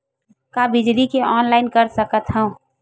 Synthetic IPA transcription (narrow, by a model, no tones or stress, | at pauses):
kabɪd͡ʒlikeɔːnlaɪnkəɾsəkət̪ɦəũ